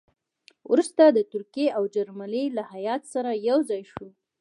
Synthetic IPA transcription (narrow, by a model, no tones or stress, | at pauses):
ɾust̪ad̪ət̪ʊɾkieawd͡ʒaɾmalilahajɑt̪saɾajawzɑjʃu